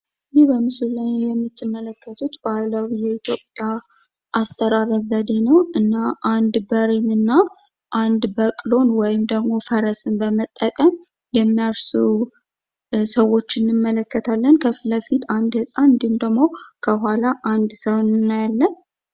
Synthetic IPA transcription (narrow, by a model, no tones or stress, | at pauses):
jihbəmɨsulənjɛmːit̪ʰːɨmːələkːət̪ʰut̪bəajlawijɛit̪ʰjo̞pʼja | ʔast̪ʰəɾaɾəzəd̪e̞nəwɨnːaʔand̪bəɾinɨnːa | ʔand̪bəkʼlo̞nwɔjɪmd̪əɡmo̞fəɾəsɨnbəmət̪ʼːəkʼəm | jɛmːijaɾsu | səwːo̞t͡ʃːɪnːɨmːələkːət̪ʰalːənkʰəfləfit̪and̪hɨsʼanɨnd̪ihumd̪əɡmo̞kʰəɦalaʔand̪səwnnːajalːən